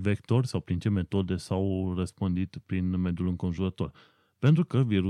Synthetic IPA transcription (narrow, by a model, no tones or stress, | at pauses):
vekt̪o̞rʲsawpɾint͡ʃe̞me̞t̪o̞d̪e̞sawrəspɨnd̪it̪pɾinme̞d̪julɨŋko̞nʒuɾət̪o̞r | pe̞nt̪ɾukəviɾu